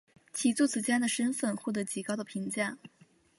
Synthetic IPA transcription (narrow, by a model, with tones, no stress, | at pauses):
t͡ɕʰi˨˧˩t͡su˥˩t͡sʰɹ̩˨˩t͡ɕja˥nd̪ə˨ʂə˥nfə˥˩nxwɔ˥˩t̪ɤ˧˥t͡ɕi˨˩kɑ˥ʊd̪ə˨˩pʰi˧˥ŋt͡ɕja˥˩ŋ